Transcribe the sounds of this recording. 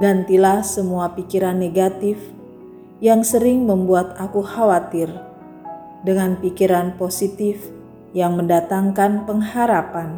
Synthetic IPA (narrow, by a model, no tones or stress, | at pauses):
ɡant̪ilahsəmuapikiɾanːeɡat̪ɪf | jaŋsəɾɪŋməmbuat̪akuhawat̪ɪr | dəŋanpikiɾanposit̪ɪf | jaŋməndat̪aŋkanpəŋhaɾapan